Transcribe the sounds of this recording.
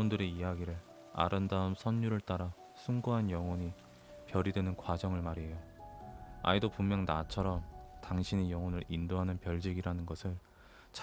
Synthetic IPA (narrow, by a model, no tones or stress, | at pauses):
undɯɾe̞ijaɡiɾɯɭ | a̰ɾɯndaɯmsʰʌnːuɾɯɭt͈aɾa | sʰuŋɡoɦanjʌŋwʌɲi | pjʌɾidwenɯnkwad͡ʑʌŋɯɭmaɾijo | a̰idopumːjʌŋnat͡ɕʰʌɾʌmtaŋɕʰinejʌŋʌnɯɾindoɦanɯnpjʌɭd͡ʑiɡiɾanɯnɡʌsʰɯɭ | t͡ɕ